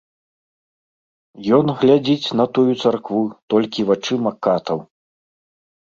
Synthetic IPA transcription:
jɔnɣlʲad͡zʲit͡sʲn̪ɐt̪ujut̪sarkvut̪ɔlʲkʲivat͡ʂɨmakːat̪ɐw

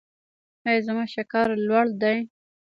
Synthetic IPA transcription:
hajzamɑʃakɑɾlwaɽd̪aj

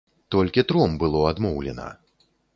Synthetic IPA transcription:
t̪ɔlʲkʲit̪ɾɔmbɨlˠɔad̪mɔwlʲɛ̰nɐ̰

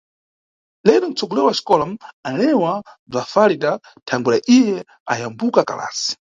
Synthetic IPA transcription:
lɛɗɔn̩t͡sɔɡɔlɛɾwaʃi̥kɔlam̩alɛwab͡ʐafalida | tʰaŋɡulaʔijɛ | ajambukaka̰la̰ːsi̥

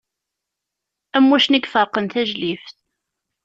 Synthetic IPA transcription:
æmːæʃniɡfəɾˤqənθæʒlifθ

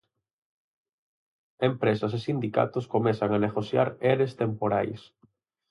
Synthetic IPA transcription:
empɾesɐs̬esind̪ika̰t̪ʊskomeθaŋaneɣoθja̰ɾeɾest̪empoɾajs

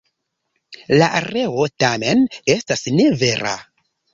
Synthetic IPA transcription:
laʔaɾe̞o̞tame̞ne̞stasne̞ve̞ɾa̰

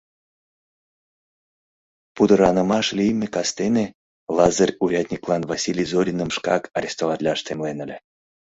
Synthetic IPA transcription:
pud̪əɾɑnə̆mɑʃlʲijmʲekɑst̪ene | lˠɑzərʲuɾʲad̪ʲnʲiklˠɑnvasʲilʲijzoɾʲinəmʃkɑ̰kaɾʲest̪ovɑt̪ʲlʲɑʃt̪emlenə̆lʲɘ

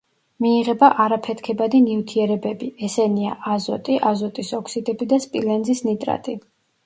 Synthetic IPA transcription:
miːʁɛbaʔaɾapʰɛt̪ʰkʰɛbad̪inivt̪ʰiɛɾɛbɛbiɛsɛniaʔazɔ̰t̪ʼiʔazɔt̪ʼisɔkʰsid̪ɛbid̪aspʼilɛnzisnit̪ʼɾa̰t̪ʼi

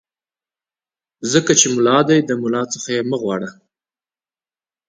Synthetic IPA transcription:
zəkat͡ʃemʊlɑd̪ajd̪əmʊlɑt͡səxajeməɣwɑɽə

